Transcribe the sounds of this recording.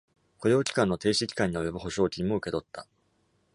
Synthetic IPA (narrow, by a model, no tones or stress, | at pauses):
koɾʲo̞ːkʲi̥kãnːot̪e̞ːɕikʲi̥kãɲ̟ːiojobɯ̟ɦo̞ɕo̞ːkʲiɲ̟imo̞ɯ̟ke̞t̪o̞t̪ʰːa